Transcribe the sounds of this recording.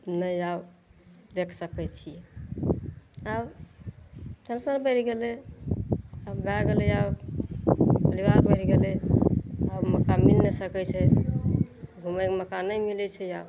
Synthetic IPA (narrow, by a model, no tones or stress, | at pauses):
nəjabd̪ekʰsəkɛt͡ʃʰijɛ | ab | d̪ʱənsəɾbəɾɡelɛ | abbaɡelɛab | pəlibaɾbəɾɡelɛ | abməkamilnesəkɛt͡ʃʰɛ | ɡʱuməkməkanəjmilɛt͡ʃʰɛab